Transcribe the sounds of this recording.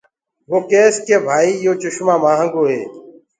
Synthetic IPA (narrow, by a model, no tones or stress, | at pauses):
ɦoːkeːskeːbʱaːiːɪjoːt͡ʃʊʃmãːmãːɦə̃ŋɡoːɦḛː